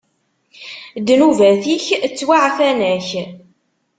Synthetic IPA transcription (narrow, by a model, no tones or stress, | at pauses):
d̪nuvæθiçt͡sːwaʕfænæç